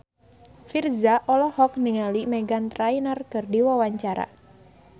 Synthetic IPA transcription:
firzaʔɔlɔhɔk̚niŋalimɛɡant̪ɾainarkɨrdiwawaɲt͡ʃaɾa̰

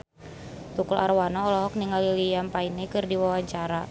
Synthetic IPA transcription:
t̪ukula̰rwanaɔlɔɦɔk̚niŋalilijampainɛkɨrdiwawaɲt͡ʃaɾa

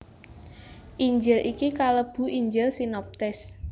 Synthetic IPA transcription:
ʔiɲd͡ʒɪlʔikikaləb̥ṳʔiɲd͡ʒɪlsinɔp̚t̪ɪs

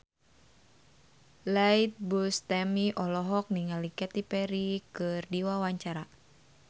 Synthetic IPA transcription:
lait̪̚bust̪ɛmiʔɔlɔɦɔk̚niŋalikɛt̪ipɛɾikɨrdiwawaɲt͡ʃaɾa

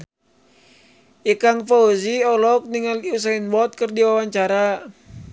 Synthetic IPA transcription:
ʔikaŋfauziɔlɔk̚niŋalius̬ainwɔt̪̚kərdiwawaɲt͡ʃaɾa

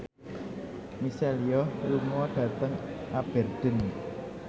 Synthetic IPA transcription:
miseliɔlumɔɖ̥ä̤t̪əŋʔab̥ɛ̤rd̪̥ə̤n

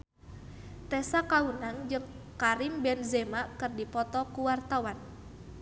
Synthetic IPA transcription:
t̪ɛsakaunaŋd͡ʒɨŋ | kaɾimbɛnzɛmakɨrdipɔt̪ɔkuwart̪awan

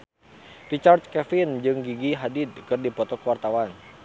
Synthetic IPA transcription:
rit͡ʃart̪kɛfind͡ʒɨŋɡiɡiɦadid̪̚kɨrdipɔt̪ɔkəwart̪awan

